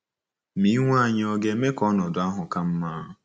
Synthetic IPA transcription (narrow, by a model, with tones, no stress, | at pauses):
mi˦ŋʷa˦˨ɲɪ˦ɔ˦ɡe˦me˦kɔ˦nɔ˨dʊ˨a˦ɦʊ˨ka˦m̩˦ma˦ɦʊ˨